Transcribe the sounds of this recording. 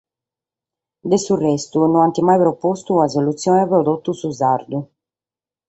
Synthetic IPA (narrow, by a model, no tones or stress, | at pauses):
d̪esurɛst̪unɔant̪imajpɾɔpɔst̪uazolut̪sːjɔnɛpɾɔd̪ɔt̪ːusuzaɾd̪u